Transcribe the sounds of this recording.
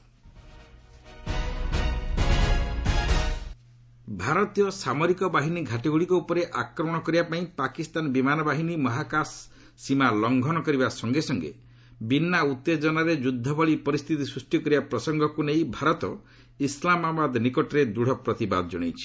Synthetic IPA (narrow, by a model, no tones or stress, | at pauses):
bʱaɾɔt̪ijɔsamɔɾikɔbaɦiniɡʱaʈiɡuɭikɔupɔɾeʔakɾɔmɔɽ̃ɔkɔɾibapaĩpakist̪anɔbimanɔbaɦinimɔɦakasː | imalɔŋɡʱɔnɔkɔɾibasɔŋɡesɔŋɡḛ | binːaut̪ːed͡ʒɔnaɾed͡ʒud̪ʱːɔbɔɭipɔɾist̪ʰit̪isɾusʈikɔɾibapɾɔsɔŋɡʱɔkunejbʱaɾɔt̪ɔ | islamabad̪nikɔʈɔɾed̪uɽ̤ɔpɾɔt̪iba̰d̪ɔd͡ʒɔ̰ɽ̃ḛjt͡ʃʰi̥